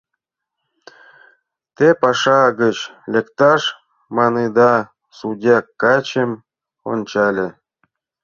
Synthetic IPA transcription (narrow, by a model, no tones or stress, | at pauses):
t̪epɑʂɑɡət͡ɕlʲekt̪ɑʂ | mɑnɨd̪ɑ | sudʲɑkːɑt͡ɕem | o̰nʲt͡ɕɑlʲĕ